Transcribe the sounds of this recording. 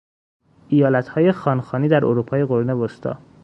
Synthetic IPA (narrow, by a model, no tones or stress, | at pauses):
ʔijɒːlæt̪hɒːje̞xɒːnxɒːniːd̪æɾʔoɾuːpʰɒːjeɣoɾnebost̪ʰɒ̰ː